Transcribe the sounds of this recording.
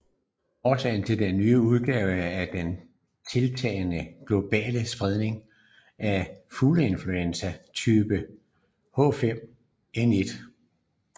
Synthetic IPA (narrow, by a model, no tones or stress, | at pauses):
ɒsʰɛːɪ̰nt͡sʰe̝ld̥enːyːəuð̞ˠɡ̥ɛːʊəæɐd̥en | t͡sʰe̝lt͡sʰɛ̰ːɪnəɡ̥lo̝b̥ɛ̰ːləsb̥ʁɛð̞ˠne̝ŋ | ʔæfuːləe̝nfluensæt͡sʰyːb̥ə | hɔ̰ːfem̰ | ene̝d̥